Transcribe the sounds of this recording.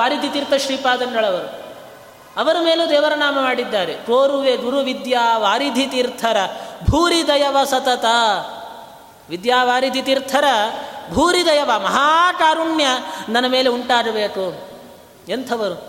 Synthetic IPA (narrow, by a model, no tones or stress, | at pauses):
aːɾid̪ʱit̪iɾt̪ʰɐʃɾiːpaːd̪ɐŋɡɐɭɐʋɐɾu | ɐʋɐɾumeːlud̪ɛːʋɐɾɐnaːmɐmaːɽid̪ːaːɾekoːɾuʋeɡuɾuʋid̪jaːʋaːɾid̪ʱit̪iɾt̪ʰɐɾɐbʱuːɾid̪ɐjɐʋɐsɐt̪ɐt̪ɐ | ʋid̪jaːʋaːɾid̪ʱit̪iɾt̪ʰɐɾɐbʱuːɾid̪ɐjɐʋɐmɐɦaːkaːɾuɳjɐnɐnːɐmeːleuɳʈaːɾɐbeːku | ent̪ʰɐʋɐɾu